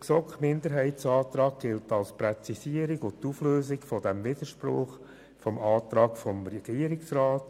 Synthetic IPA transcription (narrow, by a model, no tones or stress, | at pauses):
sɔkχmɪnd̪əɾɦɛɪt͡sɑːt̪ɾɑːk̚ɡ̥ɪltɑlspɾɛt͡sisiəɾɪɡʊtufløːsɪkfɔdɛmʋɪd̥̪əʃpɾʊ̰χ | fɔmɑːt̪ɾɑːkfɔmɾɛɡ̥iːəɾɪksraːt